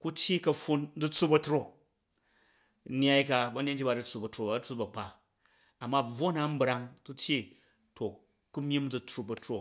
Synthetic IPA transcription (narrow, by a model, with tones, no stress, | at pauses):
ku˦tʲji˦kɐ˧ɸu˦˧nd͡zu˦t͡sːu˦bɐ˧tɾo˦˨˦ | nʲ˦a˦jka˧bɐ˦ne˦nd͡ʒi˦ba˨d͡zu˦t͡sːu˨bɐ˨tɾo˨ba˨d͡zɨ˦t͡su˦bɐ˨k͡pa˨ | a˨mːa˦b͡vo˦na˨m̩˦bɾa˧ŋku˦tʲji˦ | to˨ | ku˦mʲji˦md͡zu˧t͡sɾu˧bɐ˨tɾo˦˨